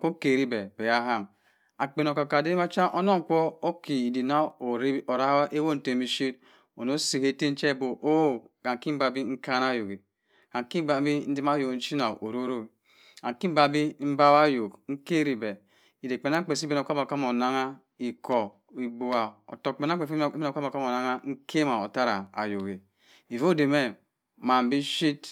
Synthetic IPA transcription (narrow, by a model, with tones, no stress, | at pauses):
ko˦ke˨ɾi˦be˨b̥e˨ja˦ɦa˦˨m | a˨k͡pe˨n˨o˨ka˨ka˨de˦ma˦t͡ʃa˦ʔo˦no˦ŋ̩˨k͡pɔ˦o˦ki˨i˨di˨na˦o˨ɾi˦o˨ɾa˦a˦ʔe˦wo˦n̩˨te˨mi˦ʃi˦t | o˨no˦si˨he˦te˦n̩˦t͡ʃe˦˨bo˨ʔo˦˨ka˨ŋ˨ki˦m̩˦ba˨bi˦ŋ̩˦ka˦na˦jo˨ɡi˨ | ka˨ŋ˨ki˦ba˨˦bi˦n̩˦di˦ma˦jo˨kn̩˦t͡ʃi˦na˨ʔo˨ɾo˦ɾo˦˨ | a˨ŋ˨ki˦ba˦bi˦m̩˦ba˦wa˦jo˨kŋ̩˦ke˦ɾi˨bɛ˨ | i˨de˨k͡pe˨n˦a˦k͡pe˨s̬i˦be˦no˨ka˦ma˨ka˦mo˨na˦ŋa˦ | i˨kɔ˨ | i˨bo˨a˨o̰˨to˨k͡pe˨n˦a˦k͡pe˨fe˦o˨ka˦m˨ka˦mo˨na˦ŋa˦ŋ̩˦kʰe˦ma˨o˨ta˦ɾa˨a̰˨jo˨ɡe˨ | i˨vo˦de˨me˦ | ma˨m̩˨bi˦ʃi˦t